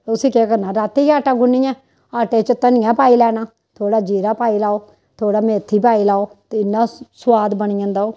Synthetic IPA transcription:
ʊsĩːkɛːkəɾnaːɾaːt̪iaːʈãːɡʊnːiːjɛ̃ː | aːʈeːt͡ʃət̪ənɪjãːpaːiːlɛːnaː | t̪ʰoːɽaːd͡ʒiːɾaːpaːiːlaːoː | t̪ʰoːɽaːmeːt̪ʰːiːpaːiːlaːoːt̪eːɪnːãːswaːd̪bənɪjãːnd̪aːoː

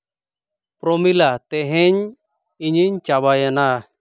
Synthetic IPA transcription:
pɾɔmilat̪ɛɦɛɲ | iɲiɲt͡ʃabajana

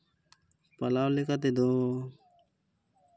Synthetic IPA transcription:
palawlekat̪̬ed̪o

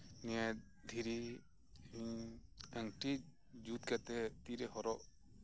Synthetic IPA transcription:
nia | d̪ʱiɾi | mi | əŋʈi | d͡ʒut̪kat̪ɛt̪iɾɛhɔɾɔʔ

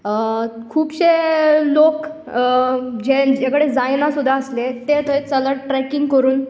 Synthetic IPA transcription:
kʰuːbɕelok | d͡ʑed͡ʑekɽed͡zajnasud̪ʱːaəslet̪et̪əet͡sələɽʈɾɛkiŋɡkəɾuːn

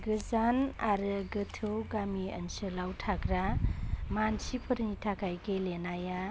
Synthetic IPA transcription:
ɡɯzanaɾɯɡɯtʰɯwɡamiə̰nsɯlawtʰakɾamansipʰɯɾnitʰakʰajkelenaja

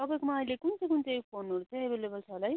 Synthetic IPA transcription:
t̪ʌbʌjkumaʌjlekunt͡sʌ̃kunt͡sẽjpʰonoɾut͡sʰʌj̃ebʱelebʌlt͡sʰalaj

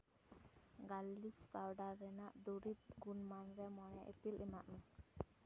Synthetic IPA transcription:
ɡalːispawɖaɾːɛnaʔd̪uɾit̪̚ɡunmanɾɛmɔɽɛʔepilɛmaʔmɛ

